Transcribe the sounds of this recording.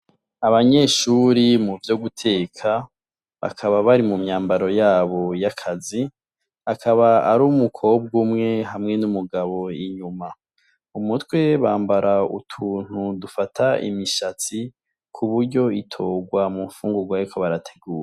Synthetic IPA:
aβaɲe̞ːʃuɾimuvjo̞ɡutʰe̞ːkʰa | βa̰kʰaβaβaɾimumɲaːmbaɾo̞jaːβo̞jakʰazi | akʰaβaaɾumukʰo̞b̚ɡumŋe̞ɦamŋe̞numuɡaβo̞iɲuma | umutwe̞βaːmbaɾʔaṵtʰuːn̥udufatʰaʔḭmiʃat͡si | kʰuβuɾɟo̞itʰo̞ːɡwamufuːŋɡuɡwaɾikʰo̞βaɾatʰe̞̥ɡuːɾe

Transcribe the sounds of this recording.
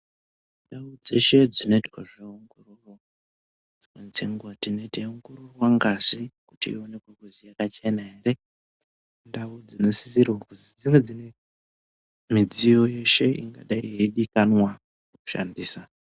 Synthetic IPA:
ndaud͡ze̞ʃe̞d͡zino̞itkaʐeuŋɡururwa | d͡zwant͡ʃeŋɡwatino̞iteuŋɡururwaŋɡazikutiḭo̞ne̞kwekuzijakat͡ʃe̞naɦere̞ | ndaud͡zino̞si̥sirwakuzid͡ziwed͡zine | mid͡zijo̞je̞ʃe̞ḭŋɡa̰ɗaiɦeɗikanwa | uku̥ʃa̰ndiːsa

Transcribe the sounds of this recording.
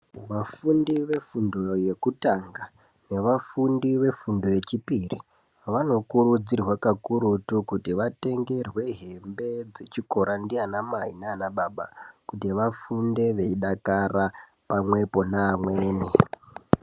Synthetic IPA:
ʋafundiʋe̞fundo̞je̞kutaŋɡa | ne̞ʋafundiʋe̞fundo̞je̞t͡ʃipirḭ | ʋano̞kuɾud͡zirwakakuɾutukutiʋate̞ŋɡe̞rwe̞ɦe̞mbe̞d͡ze̞t͡ʃiko̞ɾandianamaɦḭnanaɓaːɓa̰kutiʋafunde̞ʋe̞iɗakara | pamwe̞po̞naːmweːne

